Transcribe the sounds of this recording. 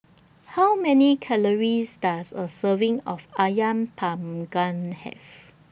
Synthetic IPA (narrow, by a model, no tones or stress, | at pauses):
hawmɛnikʰɛləɹisdasəsəvɪ̃ŋɔfajãmpʰãmɡãnhɛ̰v